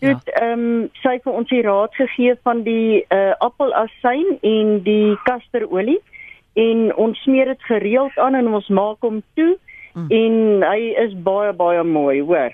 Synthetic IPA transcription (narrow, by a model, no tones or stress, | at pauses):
tutəːmsəjfəɔnsiɾɑːtχəχiəfɐndiəʔɐpəlˠɐsɛjnɛndikɐstəɾuəli | ɛnɔnsːmiərdətχəɾiəlˠtɑːnɛnɔnsmɑːkɦomtuɛnɦəjəsbɐjəbɑjəmuəjuər